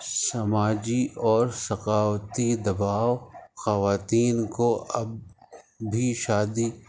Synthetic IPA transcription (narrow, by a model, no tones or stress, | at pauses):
sɐmaːd͡ʒiʔɔːɾsɐqaːwt̪id̪ɐbaːwxɐʋaːt̪iːnkoʔɐb̚ | bʱiʃaːd̪i